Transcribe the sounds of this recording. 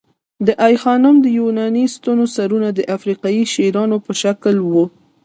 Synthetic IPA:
d̪əʔajxɑnʊmd̪əjunɑnist̪onosaɾunad̪əʔafɾiqɑjiʃeɾɑnopəʃaklwu

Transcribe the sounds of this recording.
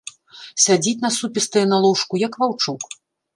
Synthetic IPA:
sʲad͡zʲit͡sʲnɐsupʲist̪ɐjɛnalˠɔwʂkujɐkvawt͡ʂuk

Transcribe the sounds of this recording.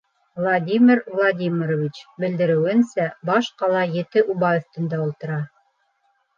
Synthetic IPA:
vlˠadʲimʲiɾvlˠad̪ʲimʲiɾovʲit͡ɕbɘ̆ld̪ɘ̆ɾɘ̆wɘ̆nsæbɑʃqɑlˠɑjɘ̆t̪ɘʔubɑjŏft̪ɘ̆nd̪æulˠt̪ɤ̆ɾɑ

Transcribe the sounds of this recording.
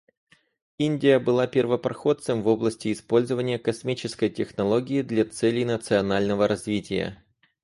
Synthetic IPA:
inʲdʲɪjəbɨlˠapʲɪrvəpɾɐxo̞t̪sɨmvo̞blˠəsʲtʲɪːspo̞lʲzəvənʲɪjəkɐsmʲit͡ɕɪskəjtʲɪxnɐlˠo̞ɡʲɪɪd̪lʲat̪sɛlʲɪjnət̪sɨɐnalʲnəvəɾʔɐzvʲitʲɪ̰jə̰

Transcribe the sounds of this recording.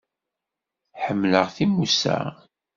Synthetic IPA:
ħəmːləʁθimusæ̰

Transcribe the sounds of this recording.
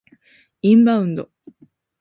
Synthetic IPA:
ĩmbaɯ̃nd̪o

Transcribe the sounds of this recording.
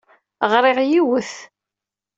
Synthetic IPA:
ʁɾˤɪʁjiwəθ

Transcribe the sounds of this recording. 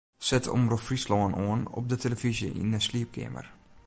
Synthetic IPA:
sɛtʰo̰mrəfrislɔənoənɔ̰p̚dətʰeləvizjəʔḭnəsliəp̚kʰɪ̰mə̰r

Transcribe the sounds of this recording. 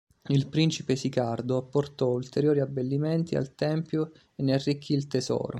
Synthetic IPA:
ilpɾint͡ʃipesikard̪oapːort̪ɔult̪eɾjoːɾiabːelːimɛnt̪ia̰lt̪ɛmpjo | enːearːikʰːilt̪esɔ̰ːɾo

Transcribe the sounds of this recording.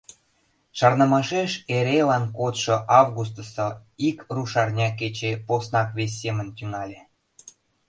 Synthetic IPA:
ʃɑrnə̆mɑʃeʃeɾelɑnkot̪ʃŏʔɑvɣus̬t̪ə̆sŏikruʃɑrnʲɑket͡ɕeposnɑkβes̬ʲːemə̆nt̪yŋɑlʲe

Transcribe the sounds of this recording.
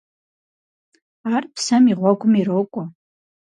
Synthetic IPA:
arpʰsamiʁʷaɡʷʊmiɾowkʷʼa

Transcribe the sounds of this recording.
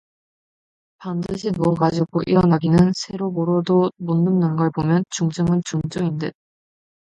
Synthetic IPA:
pandɯɕʰinuʌɡad͡ʑiɡoʔiɾʌnaɡinɯnsʰe̞ɾoboɾodomunːɯmnanɡʌɭbomjʌnt͡ɕuŋd͡ʑɯŋɯnt͡ɕuŋd͡ʑʌindɯn

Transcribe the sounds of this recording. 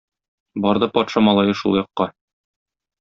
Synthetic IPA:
bɒɾd̪ɤpɒt̪ʃɑmɒlˠɑjɤʃṵlˠjɒqːɑ

